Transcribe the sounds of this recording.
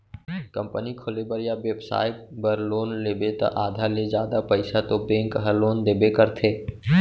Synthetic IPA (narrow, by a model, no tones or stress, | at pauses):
kə̃mpənikʰʊlebəɾjaʋebsa̰ːɪp̚bəɾloːnleːbet̪ã̰ʔaːd̪ʱaled͡ʒjaːd̪apəɪsat̪obẽːŋkɦəloːnd̪eːbekəɾt̪ʰeː